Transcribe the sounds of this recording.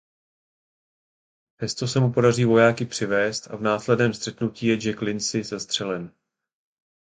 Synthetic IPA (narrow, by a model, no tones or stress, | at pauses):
ɛst̪o̞sɛmupo̞dar̝iːvo̞jaːkɪpr̝̥ɪvɛːst̪ʔa̰vnaːslɛdnɛːmst̪r̥ɛt̪nuciːjɛd͡ʒɛklɪnsɪzɛst̪r̝̥ɛlɛn